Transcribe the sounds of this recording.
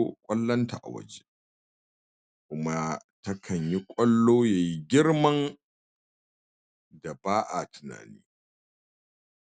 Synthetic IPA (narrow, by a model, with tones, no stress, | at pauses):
kʷʼɐ˦lːɐ˦nta˨ʔa̰˨wɐ̰˨d͡ʒe˦ | kʷʊ˦ma˦ | tɐ˦kʰɐ˨ɲji˦kʷʼɐ˦lːoː˦jaː˨ji˦ɡʲɪ˦rmɐ˦n | da˨baː˦ʔa˨tʊ˨na̰ː˨niː˦